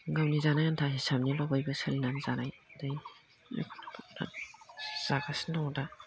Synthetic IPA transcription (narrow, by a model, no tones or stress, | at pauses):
ɡawnizanajantʰaɦisamnilɔbajbasəlinanzanajdaj̰ | a̰ | z̥aɡasndɔŋda